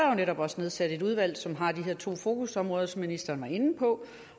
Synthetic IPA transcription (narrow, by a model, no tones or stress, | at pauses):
joneɾɒ̽b̥ɒ̽sne̝ð̞ˠsæd̥e̝d̥uð̞ˠʋæl̰sɒ̽mɦɑ̈d̥iɦe̝ɐ̰t͡sʰo̝̰ːfo̝ːkʰusɒ̽mʁɔ̽ːð̞̩ˠsminisd̥ɐːnʋɑ̈e̝nn̩pʰɒ̽